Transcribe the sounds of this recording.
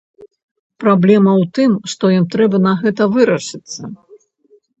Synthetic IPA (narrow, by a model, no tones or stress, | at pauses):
pɾablʲɛmɐwt̪ɨmʂt̪ɔjimt̪ɾɛbɐnɐɣɛt̪ɐvɨɾɐʂɨt̪sːɐ